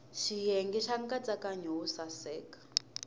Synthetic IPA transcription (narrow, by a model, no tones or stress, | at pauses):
ʃijɛŋɡɛʃaŋɡat͡sakaɲɔusasɛːkḁ